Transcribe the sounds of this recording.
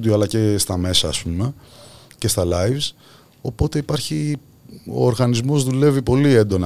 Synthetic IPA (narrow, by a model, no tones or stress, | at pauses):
d̪ioɐlɐcest̪ɐme̞sɐːspume̞ | ce̞st̪ɐlɐivs | o̞po̞t̪e̞ipɐɾçi | o̞̰ːɾɣɐnizmo̞zðule̞vipo̞lie̞nd̪o̞nɐ